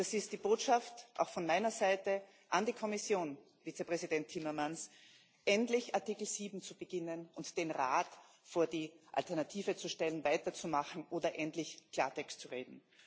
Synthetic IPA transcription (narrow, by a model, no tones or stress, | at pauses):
d̥asɪst̚d̥iːb̥oːtʃaftʔa̰ʊxfɔnmaɪnɐzaɪtə | ʔandiːkʰɔmɪsjoːn | viːt͡səpʁɛzidɛntʰːimɐmans | ʔɛntlɪçaɐtikl̩ziːbm̩t͡sub̥əɡ̥ɪnənʊntd̥eːnʁa̰ːt | foːɐdiːʔa̰ltɛɐnatʰiːvət͡suʃtɛlənvaɪtɐt͡sumaχn̩ʔoːdɐʔɛntlɪçkʰl̥a̰ːɐtʰɛkstt͡suʁeːdn̩